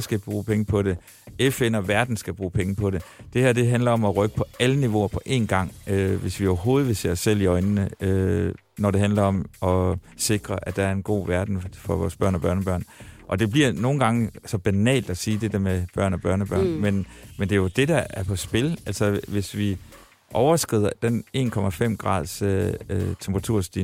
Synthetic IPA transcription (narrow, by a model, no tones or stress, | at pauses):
sɡ̥æb̥ʁuːpʰeŋəpʰɒ̽ɾ̥e̝ | efenɒ̽ʋæɐd̥n̩sɡ̥æb̥ʁuːpʰeŋəpʰɒ̽ɾe̝d̥e̝hæɐ̰d̥e̝ɦænlɐɒ̽mɒ̽ʁœɡ̥ə̥pʰɒ̽æləniʋo̝ɐpʰɒ̽ʔe̝̰nɡ̥ɑ̈ŋ̰øʋe̝sʋioʊɐɦo̝ːð̞̩ˠʋese̝̰sel̰iɒ̽ɪnnəø | nɒɾ̥e̝ɦænlɐɒ̽mɒ̽ | se̝ɡ̥ʁɐʔæd̥ɑ̈æɐe̝nɡ̥o̝̰ːʋæɐd̥n̩fɒ̽ʋɒ̰ːsb̥ɶɐnɒ̽b̥ɶɐnb̥ɶɐ̰nʔɒ̽d̥e̝b̥liɐno̝ːn̩ɡ̥ɑ̈ŋəsɒ̽b̥ænɛ̰ːld̥ɒsiːd̥e̝d̥əɐmeb̥ɶɐ̰nɒ̽b̥ɶɐ̰nɒb̥ɶɐ̰nmenmend̥e̝jod̥e̝d̥ɑæɐpʰɒ̽sb̥e̝lælsɒʋe̝sʋi | ʔɒʊɐsɡ̥ʁḭð̞̰ˠɐd̥ene̝̰ːnkʰɒ̽mæfem̰ɡ̥ʁɑ̰̈ːð̞ˠs | t͡sʰemb̥ʰʁɑt͡sʰuɐ̰sd̥i